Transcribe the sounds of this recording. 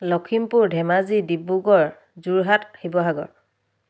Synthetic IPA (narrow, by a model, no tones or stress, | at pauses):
lɔkʰimpuɹdʱɛmazidibuɡɔɹ | zuɹɦat̚xibɔɦaɡɔ̰ɹ